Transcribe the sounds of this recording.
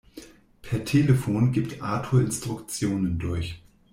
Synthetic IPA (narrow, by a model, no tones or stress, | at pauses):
pʰɛɐtʰeːləfoːnɡiːptʰʔaːtʰuɪnstʁ̥ʊkt͡sjoːnəndʊɐç